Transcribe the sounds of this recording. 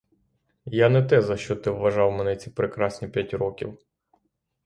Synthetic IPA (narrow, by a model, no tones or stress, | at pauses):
janɛt̪ɛzɐʃt͡ʃɔt̪ɪwːɐʒɑwmɛnɛt͡sʲipɾekɾɑsʲnʲipʲjatʲɾɔkʲḭw